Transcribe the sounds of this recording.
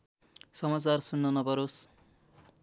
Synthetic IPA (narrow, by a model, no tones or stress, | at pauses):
sʌmat͡sarsunːʌnʌpʌɾos